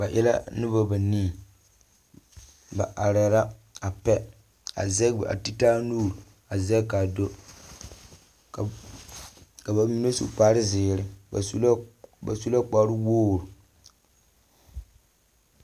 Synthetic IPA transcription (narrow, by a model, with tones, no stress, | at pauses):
ba˨ʔɪ˦la̰˦nɨ˦ba˦ba˨niː˦˨ | ba˨ʔa˨ɾɛ˨ɾa˦a˨pɛ˦ | a̰˨zɛ˦bʔa̰˨ti˦taː˦nuː˦˨ɾu˨ | a˨zɛ˦ka˨do˦˨ | ka˨ba˨mi˨˦ne˦sṵ˨k͡paː˦ɾɪ˦zɪː˨ɾɪ˦˨˦lba̰˨su˦la˦k͡pa˨˦ɾʊ˦woː˦˨ɾʊ˨